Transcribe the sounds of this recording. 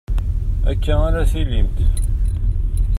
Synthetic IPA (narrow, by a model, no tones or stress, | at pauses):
æ̰kːæænæsilimt̪